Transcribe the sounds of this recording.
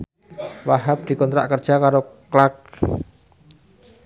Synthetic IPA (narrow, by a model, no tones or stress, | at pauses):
waɦap̚d̪̥i̤kɔnt̪ɾa̰ʔkərd̥ʒ̥akaɾoklak̚